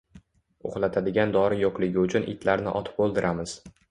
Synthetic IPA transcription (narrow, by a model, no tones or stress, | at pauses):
o̰χlˠat̪ʰad̪ɪɡʲand̪ɒɾɪjoqlˠɪɡʲɪʊt͡ʃʰʊnʔɪ̰t̪ʰlaɾnɪ̰ʔɒt̪ʰɪ̥p̚olˠd̪ɪɾʔamɪz̥